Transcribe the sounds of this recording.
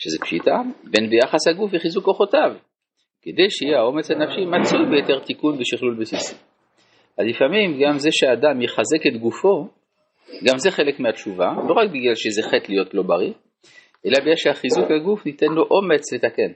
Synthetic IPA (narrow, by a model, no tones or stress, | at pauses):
ʃezepʃitabe̞nbejaχashaɡufiχizukoχo̞tav | ked̪e̞jʃeijeao̞me̞t͡shanafʃimat͡sujbejote̞ʁt̪ikunbeʃiχlulbesisi | azlifamimɡamze̞ʃeaːdamjeχaze̞ketɡufo̞ | ɡamzeχe̞lekmeat͡ʃuvalo̞ʁak̚biɡlalʃezeχetlijo̞tlo̞baʁi | ʔe̞labiɡlaʃehaχizukhaɡufnit̪enlo̞ʔo̞me̞t͡slet̪ake̞n